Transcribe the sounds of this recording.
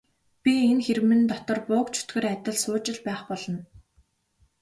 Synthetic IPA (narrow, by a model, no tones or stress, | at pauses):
pʲienxeɾmɘ̆nt̪ɔt̪ɞ̆rpʊːkt͡ɕʰɵ̥t̪ɡɘ̆ræt̪ʲə̆ɮsʊːt͡ɕɪ̆ɮpæːχpɔɮɞ̆n